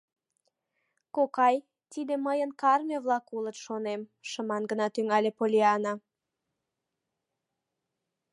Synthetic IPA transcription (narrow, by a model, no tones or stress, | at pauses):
kokɑj | t̪id̪eməjənkɑrmʲeβlɑkulət̪ʃonemʃəmɑnɡənɑt̪yŋɑlʲepolʲiɑna